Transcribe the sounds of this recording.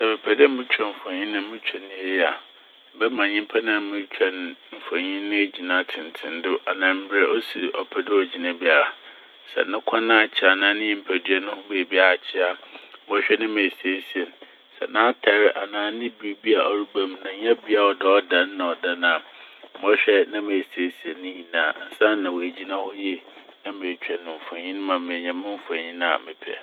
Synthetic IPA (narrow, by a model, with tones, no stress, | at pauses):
sɛ˨bɛ˨pʰɛ˨dɪ˦m̩˦mɪ̃˦t͡ɕᶣɛ̃˨m̩˨fã˨ɲĩ˦nʊ̃˦m̩˦mɪ̃˦t͡ɕʰᶣɛ˨nːɪ̃˨˦e˦ja˨˦ | bɛ˦mã˨ɲɪ̃˦m˦pʰa˦nã˨˦mɪ̃˦t͡ɕᶣʰɛ˨nm̩˨fã˨ɲĩ˦nɪ̃˦e˦d͡ʑi˨nã˦tʰɪ̃˨n˨tʰɪ̰̃˨n˦dʊ˦ʔa˨nã˨m̩˦bɪ˦ɾɛ˦ʔɔ˦sḭ˨ʔɔ˨pʰɛ˦˨dɪ˦ɔ˨d͡ʑi˨nã˨bi˦a˨ɾa˨ | sɛ̰˨nʊ̃˦kʷʰã˦nã˦a˨t͡ɕʰɪ˨a˨nãː˨˦nɪ̃˦ɛ̃˦m̩˨pʰæ˨dɥɛ˦nʊ̃˦hʊ̃˦be˨bi˦a˨t͡ɕʰɪ˦a˨˦ɔ˦ɕᶣɛ˦nɪ̃˦me˨se˦si˨ɛ˨n˨ | sɛ̰˨nãː˦tʰɛ˨˦ɾɪ˦ʔa˨nãː˨˦nɪ̃˦bi˦ɾbi˦a˨a˨ɾu˦ba˦mnã˨ɲɛ̃˦bi˦a˦˨wɔ˦dɛ˨ɔ˦dã˨n̩˦nã˨ɔ˨da˦nã˨˦mɔ˦ɕᶣɛ˦nã˦me˨si˨˦e˦si˨ɛ˨nːɪ̃˦ɲĩ˨nãː˨n̩˨sã˦n˦nã˨wo˨e˨d͡ʑi˦nã˦hɔ˦jɛ˦ | nã˦mẽ˨t͡ɕᶣɛ˨nʊ̃˨m̩˨fã˨ɲĩ˦ñ˦mã˨m˦mɪ̃˨ɲɛ̃˨mɪ̃˦m̩˦fa˨ɲĩ˦ñ˦a̰˨mɪ̰̃˨pʰɛ̰˦˨